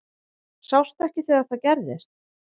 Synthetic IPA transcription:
sawst̪ɛhcɪθɛːɣaθaðcɛɾðɪ̰st̪̚

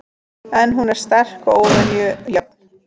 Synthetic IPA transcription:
ɛnɦunɛɾ̥st̪ɛr̥koːwvɛnjʏjap̚n

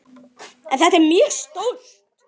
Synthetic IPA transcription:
ɛnθɛht̪ɛɾmjœːɾst̪owlt̪

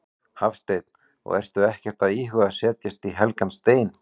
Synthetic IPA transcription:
hafst̪ejt̪n̥ | ɔ̰ɣɛ̰r̥st̪ʏɛhcɛr̥t̪aðiːɦʏaðsɛːt̪jɪst̪iɦɛlkanst̪eːjn

